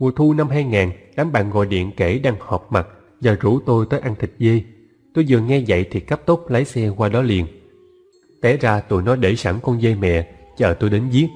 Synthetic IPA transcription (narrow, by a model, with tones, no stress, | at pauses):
mu˨˩ət̪ʰu˧na˧mɦaː˧jŋaː˨˩nɗaː˨˦mɓa̰ː˧˨nɣɔ̰˧˨jɗḭ˧˨ənke˧˩ɗaː˧ŋhɔ˨˩p̚ma˨˩t̚ | zaː˨˩zu˧˩t̪o˧jt̪əː˨˦jʔa˧nt̪ʰï˨˩k̚zə˧j | t̪o˧jzɨ˨˩əŋɛ˧za̰˧˨jt̪ʰi˨˩kə˦˥p̚t̪o˦˥p̚lə˨˦jsɛ˧kwaː˧ɗɔ˨˦lḭ˨ən | t̪ɛ˧˥zaː˧t̪ṵ˧˨jnɔ˨˦jɗe˧˩sa˧˩ŋkɔ˧nzə˧jmɛ̰˧˨t͡ɕəː˨˩t̪o˧jɗe˨˦nzi˦˥ət̚